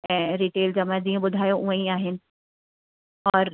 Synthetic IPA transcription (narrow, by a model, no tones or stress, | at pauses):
ɛ̃ɾiʈeːld͡ʒɐmãziõbʊd̪ʱaːjõʔũãĩaːɦɪn | ɔːɾ